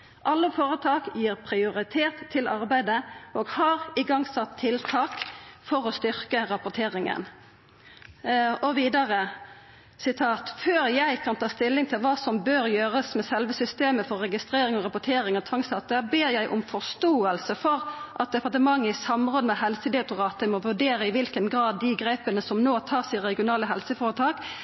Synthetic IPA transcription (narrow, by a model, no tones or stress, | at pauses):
ʔɑlːəfoːɾət̪ʰɑːkjiːʁpʰɾɪʊɾɪt̪ʰeːt̪ʰːɪlɑɾbæɪd̪əʔoːɡhɑːɾɪɡɑŋsɑt̪ʰːɪlt̪ʰɑːkfɔɾɔst̪ʏʁkəɾɑpʊt̪ʰeːʁɪŋə̰n | ɔʋiːd̪ɑʁə | sɪt̪ʰɑːt̪føːɾjæɪkʰɑnt̪ʰɑːst̪ɪlːɪŋt̪ʰɪlʋɑːsɔmbøːɾjøːʁəsmɛsɛlʋəsʏst̪eːməfɔɾːɛɡɪst̪ɾeːɾɪŋɔɾɑpʊt̪ʰeːɾɪŋɔt̪ʰɑŋsɑt̪əbeːɾjæɪʔʊ̰mfɔst̪oːəlsəfɔʁʔɑt̪̚d̪ɛpɑʁt̪əmɑŋːəɪsɑmʁɔːd̪əmɛhɛlsəd̪ɛʊt̪ʊʁɑːt̪əmɔʋʉɖeːɾəɪʋɪlkənɡɾɑːd̪ːɪɡɾeɪpənəsɔmnoːt̪ʰɑːsɪʁɛɡɪʊnɑːləɦɛlsəfɑːʁət̪ʰɑːk